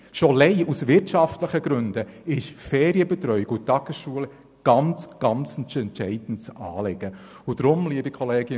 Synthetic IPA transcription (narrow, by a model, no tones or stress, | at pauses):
ʃolɛɪusʋɪɾtʃɑftləχəɡɾɵndəɪʃfɛːɾiəbɛt̪ɾœʏikutɑɡəsʃuːəl | ɡ̥ɑnt͡sɡ̥ɑnt͡sɛntsɛntʃɛɪd̥n̩tsɑːlɪɡə | ʊd̪ɾʊmliəbikʰɔleːɡə